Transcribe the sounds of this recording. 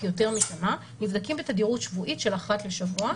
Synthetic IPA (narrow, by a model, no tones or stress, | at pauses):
jo̞te̞ʁmiʃana | nivd̪akimbet̪adiʁutʃvuʔitʃe̞laχatle̞ʃavua